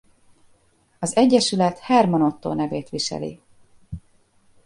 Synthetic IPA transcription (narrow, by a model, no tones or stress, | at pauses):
ɒzɛɟːɛʃylɛt̪haːrmono̞t̪ːo̰ːnɛveːt̪ʋiʃɛ̰lḭ